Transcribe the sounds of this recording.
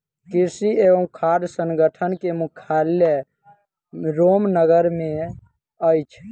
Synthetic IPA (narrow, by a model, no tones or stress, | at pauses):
kisieʋə̃kʰad̪səŋɡəʈʰənkemukʰaljə | ɾomnəɡəɾmẽ | əjt͡ʃʰ